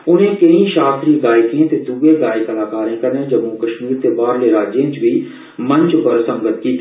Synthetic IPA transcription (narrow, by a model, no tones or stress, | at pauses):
ʊnɦẽkɐĩʃaːst̪ɾiɡaːjkẽt̪ed̪uːeɡaːjkɐlaːkaːɾẽkɐɾẽd͡ʒɐmːukɐʃmiːɾt̪ebaːɾleɾaːd͡ʒjẽt͡ʃbʱi | mɐ̃ɲt͡ʃpəɾsɐ̃ŋɡət̪̚kit̪